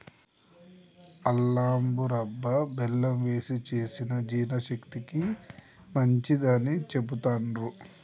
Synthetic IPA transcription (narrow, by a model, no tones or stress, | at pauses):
ɐlːaːmbuɾɐbːɐbɛlːɐmʋe̞ːsit͡ʃe̞ːsinɐd͡ʒiːnɐʃɐkt̪ikimɐɲt͡ʃid̪aːnːit͡ʃebut̪aːnɾu